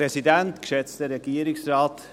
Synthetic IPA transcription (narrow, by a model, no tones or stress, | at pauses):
ɾɛsɪd̪ɛnt̪ɡ̥əʃɛst̪əɾɛɡiːɾɪŋsɾɑːt̪